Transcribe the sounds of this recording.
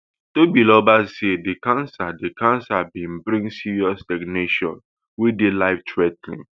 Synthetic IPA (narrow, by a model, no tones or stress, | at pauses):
tobilɔbassedikãnsadekãnsabĩmbɾĩŋsiɹiɔstɛkneʃɔ̰̃n | widelaɪftʰɹɛtlḭ̃ŋ